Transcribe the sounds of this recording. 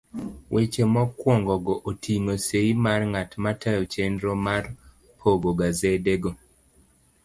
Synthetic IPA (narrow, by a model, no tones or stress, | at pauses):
wʔet͡ʃemɔkːwɔŋɡɔɡɔʔotʰiŋoseimarŋatmatʰajɔt͡ʃendɾomar | pʰoɡoɡazedeɡo